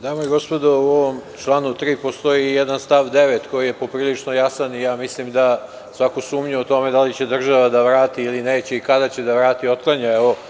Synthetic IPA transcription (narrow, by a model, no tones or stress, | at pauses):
d̪aːmojiɡo̞spod̪ouoʋomt͡ʃlˠanut̪ɾiːpo̞st̪o̞ijed̪anst̪aʋd̪e̞ʋet̪ko̞jije̞po̞pɾiːlit͡ʂno̞jasanijaːmislimd̪a | sʋakosuːmɲuot̪o̞me̞d̪alit͡ɕed̪r̩ʒaʋad̪aʋɾaːt̪iːlineːt͡ɕe̞ikad̪at͡ɕe̞d̪aʋɾaːt̪io̞t̪̚klˠaɲaeʋo